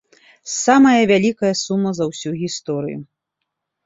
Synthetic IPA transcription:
samɐjɐvʲalʲikɐjɐsumːɐzɐwsʲuɣʲist̪ɔɾɨ̰jṵ

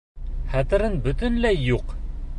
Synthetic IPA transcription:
χæt̪ɘ̆ɾɤnbɵ̆t̪ɘ̆nlæjjːuq

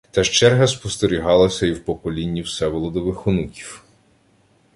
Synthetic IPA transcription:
t̪ɐʃt͡ʃɛrɦɐspɔst̪eɾʲiɦɑlˠɐsʲɐiwpɔkɔlʲinʲːiwsɛʋɔlˠɔd̪ɔʋɪxʊnukʲi̥w

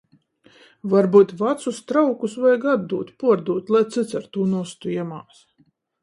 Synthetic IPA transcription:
vaɾbuːt̪ʲvat̪sust̪ɾawkusvajɡad̪d̪uːt̪ʲpuɔɾd̪uːt̪ʲlˠajt̪sɨt̪saɾt̪uːnust̪uiɛmaːs

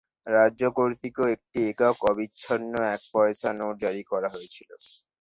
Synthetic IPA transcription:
ɾaokoɾt̪ikeek̚ʈiekaokɔbiɕʰonːoɛk̚pɔeʃanod͡ʑaɾikɔɾaɦojet͡ɕʰilo

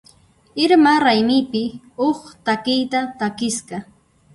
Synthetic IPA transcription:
ɪɾmaɾajmɪpɪ | oχt̪akɪjt̪at̪akɪsɢɑ

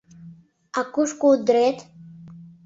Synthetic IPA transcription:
akʷʼʊʂkʷʼud̪retʰʼ

